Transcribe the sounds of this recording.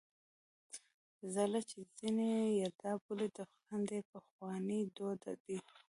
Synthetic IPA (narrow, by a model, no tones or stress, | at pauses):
zalat͡ʃez̥inejaɾd̪ɑbuled̪əxand̪epəxwɑnid̪od̪a̰d̪i